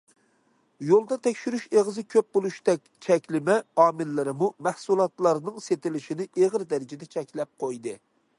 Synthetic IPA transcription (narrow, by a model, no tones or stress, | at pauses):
jolˠd̪ɑt̪ʰɛkʲʃyɾyʃeʁɨzɨkʲʰøp̚bolˠuʃd̪ɛkʲt͡ʃʰɛkʲlɪmɛɑːmɪlːɪɾɪmumɛhsulˠɑt̪lˠɑɾnɨŋset̪ɪlɪʃinɪeʁəɾd̪ɛɾɪd͡ʒɛd̪ɛt͡ʃʰɛkʲlɛp̚qʰojd̪ɨ